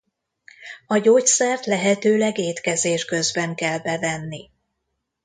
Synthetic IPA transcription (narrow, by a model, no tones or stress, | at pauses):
ɒɟoːcsɛrt̪lɛɦɛt̪øːlɛɡeːt̪kɛzeːʃkø̞zbɛŋkɛlbɛvɛnːi